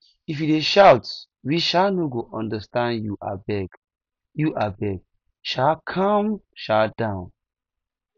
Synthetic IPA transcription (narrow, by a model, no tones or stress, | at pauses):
ifjideʃawts | wiʃanoɡoʔɔ̃ndəstãndjuʔa̰bɛɡ | juʔabɛɡ̚ | ʃakʰɔmʃadãʊ̃n